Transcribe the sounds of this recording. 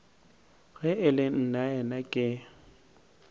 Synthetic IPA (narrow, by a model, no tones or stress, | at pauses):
ɣɛɪlɪn̩naɛnakʼɪ